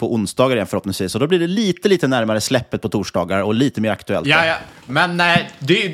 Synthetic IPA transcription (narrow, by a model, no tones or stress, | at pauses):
pʰɔʔʊnsd̪ɑːɡaɾɪjɛnfœɾɔp̪ːnɪŋsviːsɔd̪ɔblɪɖɛliːt̪əliːt̪ənæɾmaɾəslɛpːət̪̚pʰɔt̪ʰuːʂɖɑːɡaɾɔliːt̪əmeːɾa̰kt̪ɵɛ̰lt̪ːmɛnːɛd̪ɛ